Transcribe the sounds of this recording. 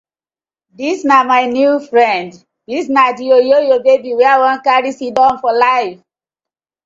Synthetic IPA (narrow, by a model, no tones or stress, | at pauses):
disnamaɪnjufɹɛ̃nd | disnad͡ʒiojojobebiwɛawãnkaɹisidɔ̃nfɔlaɪf